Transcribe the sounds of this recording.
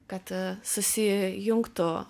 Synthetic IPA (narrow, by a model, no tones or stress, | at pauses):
kat̪səsijuŋkt̪o